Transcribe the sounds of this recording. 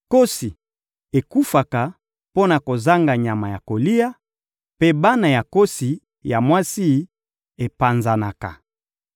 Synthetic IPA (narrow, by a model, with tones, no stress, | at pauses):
ko˦si˨ | e˨ku˦fa˨ka˨ | po˦na˨ko˨za˦ŋɡa˨ɲa˨ma˨ja˨ko˨li˦ja˦ | pe˦ba˦na˨ja˨ko˦si˨ | ja˨mwa˦si˦ | e˨pa˨nza˨na˨ka̰˨